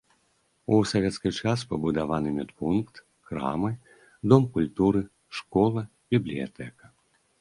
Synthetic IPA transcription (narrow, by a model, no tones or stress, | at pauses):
usavʲɛt̪skʲit͡ʂaspɐbud̪avanɨmʲɛt̪punkt̪ | kɾa̰mɨ | d̪ɔmkulʲt̪uɾɨ | ʂkɔlˠɐ | bʲiblʲija̰t̪ɛkɐ̥